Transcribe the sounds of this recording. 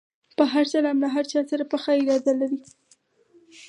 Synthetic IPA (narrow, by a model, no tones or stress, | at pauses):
pəɦaɾt͡ʃalamlaɦaɾt͡ʃɑsaɾapəxɑɪd͡ʒɑd̪alaɾi